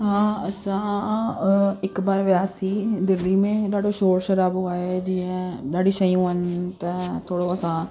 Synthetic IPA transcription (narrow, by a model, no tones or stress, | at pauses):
ɦãɐsã | ɪkbaːɾʋjaːsid̪ɪɾimẽɗaːɽoʃoːɾʃɐɾaːbaːɦed͡ʒĩːə̃ɗaːɽiʃəjũənt̪ɐt̪ʰoːɽoɐsãː